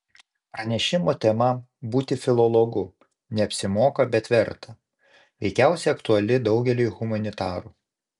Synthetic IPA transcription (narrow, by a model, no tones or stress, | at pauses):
pɾɐnʲɛʃʲɪmoːt̪ʲɛmɐ | buːt̪ʲɪfʲɪlˠɔlˠɔɡʊ | nʲɛɐpʲsʲɪmoːkɐbʲɛt̪ʋʲɛɾt̪ɐ | ʋʲɛɪkʲæˑʊsʲɛːɐkt̪ʊɐlʲɪd̪ɒʊɡʲɛlʲyːɣʊmɐnʲɪt̪ɑːɾuː